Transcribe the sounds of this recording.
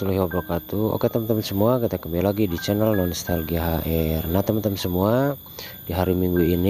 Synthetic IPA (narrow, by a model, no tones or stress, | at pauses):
t̪uluɦiwabɔkat̪uɔ̰kɛt̪əmt̪əmsəmuakit̪akəmbɛlaɡidit͡ʃɛnəlnɔnɔst̪alɡiaɦaʔɛrnat̪əmt̪əmsəmua | diɦaɾimiŋɡuini